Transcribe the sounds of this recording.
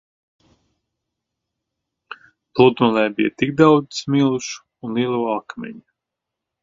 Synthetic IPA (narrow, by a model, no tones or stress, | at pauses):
blˠud̪ɔlɛːbijɐt̪ik̚d̪awdzi̥smilˠuʃ | unlˠiɛlˠuɔakmʲɛ̰ɲi